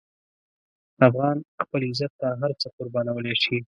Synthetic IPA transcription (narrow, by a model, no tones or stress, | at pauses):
afɣɑnxpəlɪzat̪ːaɦaɾt͡səqʊɾbɑnawəleʃi